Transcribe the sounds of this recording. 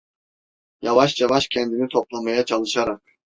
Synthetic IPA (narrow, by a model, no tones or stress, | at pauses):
javaʃjavaʃcʰɛnd̪init̪ʰo̞plˠamajat͡ʃʰalˠɯʃaɾak